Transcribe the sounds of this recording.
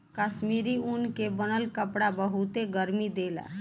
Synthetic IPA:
kasmiɾiunkebənəlkəpɽabəɦut̪eɡəɾmid̪ela̰

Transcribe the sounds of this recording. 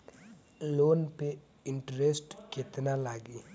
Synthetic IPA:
loːnpe | ɪɳʈɾeːsʈket̪nalaːɡiː

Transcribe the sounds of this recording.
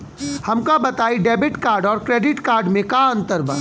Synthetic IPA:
hɐmkabɐt̪aːiɖeːbɪʈkaːɾɖɔːɾkɾeːɖɪʈkaːɾɖmẽkaɐ̃nt̪əɾbʱə̰

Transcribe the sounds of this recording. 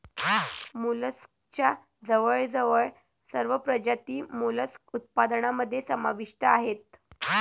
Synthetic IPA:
muləs | t͡ɕja | d͡zəʋəɭd͡zəʋəɭ | səɾʋəpɾəd͡ʑat̪iːmuləsut̪̚pad̪ɳaməd̪ʱːjesəmaʋiʂʈəaɦet̪̚

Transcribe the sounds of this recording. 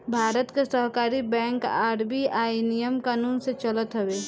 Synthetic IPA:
bʱaːɾət̪kesəɦkaːɾibɛ̃ːŋkaːɾbiaːinijəmkaːnuːnset͡ʃələt̪ɦəweː

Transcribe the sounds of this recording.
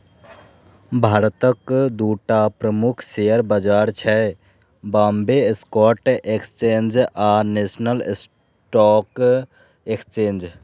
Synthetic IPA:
bʱaːɾt̪əkd̪uːʈaːpɾəmʊkʰʃejəɾbəd͡ʒaːɾt͡ʃʰɛ | baːmbeskɔːʈekst͡ʃeːnd͡ʒaːneːsnəls | ʈɔːk | ekst͡ʃeːnd͡ʒ

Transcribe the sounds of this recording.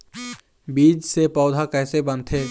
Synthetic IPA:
biːd͡ʒsepɔːʊd̪ʱakɛːsebə̃nt̪ʰeː

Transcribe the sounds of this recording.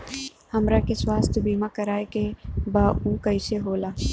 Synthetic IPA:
hɐmɾakeswaːst̪ʰbiːmãkəɾaːekebaːukəɪseɦoːlaː

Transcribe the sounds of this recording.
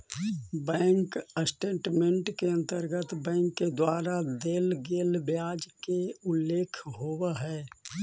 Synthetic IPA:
bɛ̃ːŋkəsʈeːʈmẽɳʈkeə̃nt̪əɾɡət̪bɛ̃ːŋkːed̪waːɾad̪eːlɡeːlbjaːd͡ʒkeʊlːeːkʰɦowaɦɛː

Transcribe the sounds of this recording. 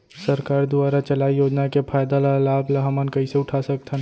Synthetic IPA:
sɐɾkaːɾd̪ʊaːɾat͡ʃɐlaːijoːd͡ʒnakepʰaːjd̪alalaːblaɦɐmənkɐiseʊʈʰasɐk̚t̪ʰən

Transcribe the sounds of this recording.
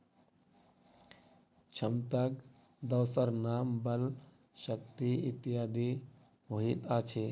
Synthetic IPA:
t͡ʃʰɐmt̪ak | d̪ɐwsəɾnaːmbɐl | ʃək̚t̪iit̪ijaːd̪i | ɦoɦit̪aːt͡ʃʰe

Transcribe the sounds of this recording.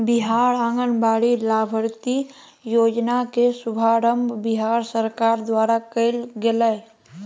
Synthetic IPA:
bɪɦaːɽə̃ŋɡənbaːɽilaːbʱəɾt̪i | joːd͡ʒnakesʊbʱaːɾəmbʱbɪɦaːɾsəɾkaːɾd̪ʋaːɾakəɪlɡeləj

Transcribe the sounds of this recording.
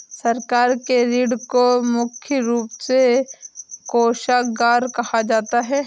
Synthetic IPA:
sɐɾkaːɾkeɾiːɽkomʊkʰjəɾuːpse | koːʃaɡaːɾkɐhad͡ʒaːt̪aɦɛː

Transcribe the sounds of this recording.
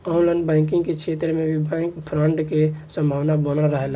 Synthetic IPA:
ɔ̃ʊ̃nlənbɛ̃ɪŋk̬ɪ̃ŋɡkekt͡ʃʰet̪ɾəmẽbʱibʱɛ̃kpʰɾəɳʈkesə̃mbʱaːwnabənəlɾəɦel

